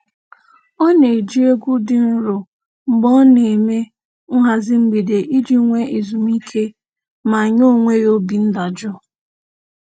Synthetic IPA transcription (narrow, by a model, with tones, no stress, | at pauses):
ɔ˦ne˨d͡ʒi˦e˦ɡʷu˦dɪ˨n̩˦ɾʊ˨ | ŋ͡m̩˨ɡ͡bɔ˦ne˨me˦ | ŋ̩˦ɦa˨zɪ˦m̩˦ɡ͡bi˨de˨ʔi˦d͡ʒi˦ŋʷe˦ʔi˨zu˨mi˦kʰe˦ | ma˨ɲo˦˨ŋʷe˦ɾo˦bi˨n̩˦da˨d͡ʒʊ˦